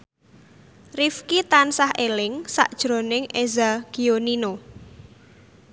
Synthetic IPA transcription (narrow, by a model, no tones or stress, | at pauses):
rifkit̪ansahʔelɪŋsa̰ʔd̥ʒ̥ɾo̤nɪŋʔezaɡ̥ionino